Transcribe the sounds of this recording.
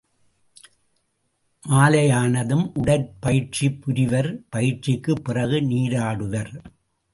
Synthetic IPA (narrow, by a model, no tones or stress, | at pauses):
ʔaːlɐjaːnɐðɯmʔʊɽɐɾpɐjɪʈ̚t͡ʃipːʊɾɪʋɐɾpɐjɪʈt͡ʃɪkːɯpːɪrɐɣɯniːɾaːɽɯʋɐɾ